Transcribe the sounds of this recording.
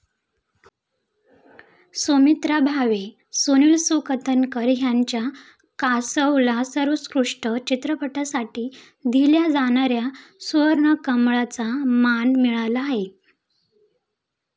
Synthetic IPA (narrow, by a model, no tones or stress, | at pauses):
somit̪ɾabʱaʋe | soniɭsukət̪ʰənkəɾjaɲt͡ɕja | kasəwlasəɾʋəskɾuʂʈət͡ɕit̪ɾəpəʈasaʈiː | d̪ʱiljad͡zaɽ̃aɾjasuʋəɾɳəkəmɭat͡samanmiɭalaːɦe